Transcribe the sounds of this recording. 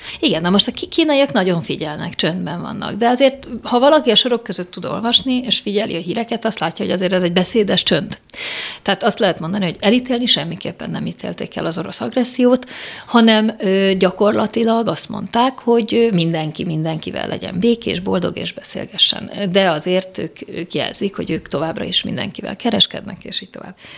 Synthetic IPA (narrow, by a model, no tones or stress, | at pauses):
iɡɛnːɒmo̞ʃt̪ɒkkiːnɒjiɒknɒɟo̞ɱfiɟɛlnɛ̰kt͡ʃønd̪bɛɱvɒ̰nːɒ̰ɡd̪ɛɒzeːrt̪hɒvɒlɒkiɒʃo̞ɾo̞kːøzøt̪ːud̪o̞̰lvɒʃnieːʃfiɟɛlʔḭɒɦiːɾɛkɛt̪ɒst̪laːcːɒɦo̞ɟɒzeːɾɛzɛɟ̚bɛseːd̪ɛʃt͡ʃønt̪t̪ːɛaːt̪ɒst̪lɛɦɛt̪mo̞nd̪ɒniɦo̞ɟɛlit̪eːlniʃɛmːikḛːpːɛnːɛmiːt̪ʰḛːlt̪ḛːkɛ̰lɒzo̞ɾo̞sɒɡrɛsːijoːt̪hɒnɛmøːɟɒko̞rlɒt̪ilɒɡɒst̪mo̞̰nt̪aːkho̞ɟømind̪ɛŋkimind̪ɛŋkivɛ̰lːʔɛ̰ɟɛ̰mbeːkḛːʒbo̞ld̪o̞̰ɡḛːʒbɛsḛːlɡɛʃːɛ̰nd̪ɛɒzeːrt̪øːkøːkjɛ̰lz̥ikho̞̰ɟøːkt̪o̞vaːbrɒ̰iʃmḭnd̪ɛ̰ŋkivɛ̰lkɛɾɛʃkɛ̰d̪nɛ̰kḛːʃiːc̚t̪o̞va̰ːb